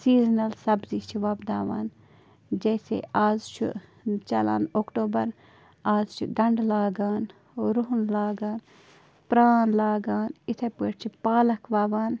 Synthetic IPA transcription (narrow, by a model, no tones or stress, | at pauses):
siːznɐlsɐbzit͡ʃʰiʋaːbd̪aːʋa̰ːn | d͡ʒeːsḛaːzt͡ʃʰṵt͡ʃɐla̰ːnoːkʈoːbɐɾ | aːzt͡ʃʰṵɡɐɳɖlaːɡaːn | oɾuɦunlaːɡaːn | pɾaːnlaːɡaːnit̪ʰepəʈt͡ʃʰipaːlɐkʋaːʋaːn